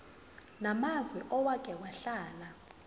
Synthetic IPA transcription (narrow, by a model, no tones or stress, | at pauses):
namazwɛʔɔwakʼɛwaɬaːla